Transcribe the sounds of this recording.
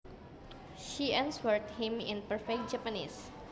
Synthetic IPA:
ʃiɛ̃nswəɹt̚hĩmɪ̰̃npəɹfɛk̚d͡ʒapənḭs

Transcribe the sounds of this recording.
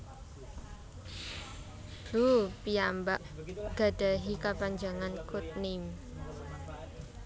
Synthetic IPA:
d̥upiambaʔɡ̥a̤ɖ̥aɦikapaɲd͡ʒaŋankut̪̚nim

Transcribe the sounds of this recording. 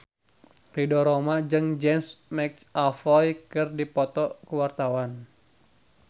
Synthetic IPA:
ridɔɾomad͡ʒɨŋd͡ʒɛmsmɛksafɔjkɨrdipɔt̪ɔkuwart̪awan

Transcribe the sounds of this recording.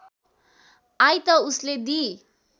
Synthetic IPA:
ajt̪ʌusled̪i

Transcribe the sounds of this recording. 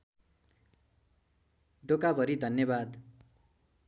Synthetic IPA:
ɖokabʌɾid̪ʱʌnjʌbad̪

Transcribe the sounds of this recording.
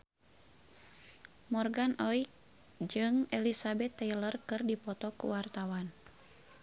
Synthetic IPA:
mɔrɡanɔik̚ | d͡ʒɨŋɛlisabɛt̪ːɛjlərkɨrdipɔt̪ɔkṵwart̪awan

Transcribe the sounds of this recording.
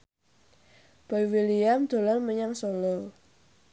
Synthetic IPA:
b̥ajwilijamd̪̥o̤laŋməɲaŋsolɔ

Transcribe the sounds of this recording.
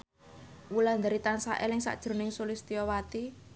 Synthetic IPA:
wuland̪aɾit̪ansa̰ʔɛlɪŋsa̰ʔd̥ʒ̥ɾṳnɪŋsolist̪iɔwat̪i

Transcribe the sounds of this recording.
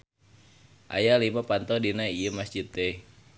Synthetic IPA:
ʔa̰jalimapant̪ɔdinaijəmasd͡ʒit̪ːe

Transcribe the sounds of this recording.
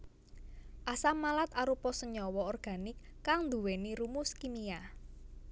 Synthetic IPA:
ʔasamalat̪aɾupɔsəɲɔwɔɔrɡ̥a̤nɪkːaŋnd̪ṳweniɾumuskimia

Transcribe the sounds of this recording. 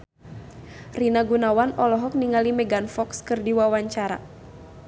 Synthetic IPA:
rinaɡunawanɔlɔɦɔk̚niŋalimɛɡanfɔkskɨrdiwawaɲt͡ʃaɾa̰

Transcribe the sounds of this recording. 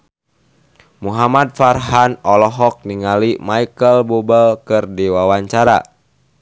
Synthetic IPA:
muɦamad̪̚farɦanɔlɔɦɔk̚niŋalimaikəlbubəlkɨrdiwawaɲt͡ʃaɾa̰

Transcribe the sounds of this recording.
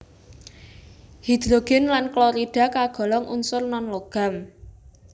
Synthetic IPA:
hid̪̥ɾoɡ̥ɛnlanklɔɾid̥a̤kaɡ̥ɔ̤lɔŋʔunsʊrnɔnloɡ̥a̤m

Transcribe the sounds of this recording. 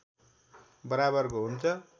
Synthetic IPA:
bʌɾabʌrkoɦunt͡sʰʌ

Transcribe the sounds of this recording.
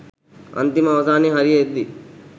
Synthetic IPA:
ɐ̰nt̪imɐʋɐsaːniɦɐɾijɐek̚d̪i

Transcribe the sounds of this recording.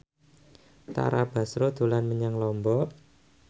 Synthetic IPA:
t̪a̰ɾab̥a̤sɾod̪̥ṳlanməɲaŋlɔmbɔ

